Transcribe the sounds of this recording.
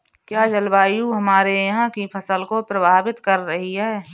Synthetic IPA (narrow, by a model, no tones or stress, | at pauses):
kjaːd͡ʒɐlbaːjuɦɐmaːɾejɐɦãkipʰɐsəlkopɾɐbʱaːbɪt̪kɐɾːɐɦiɦɛː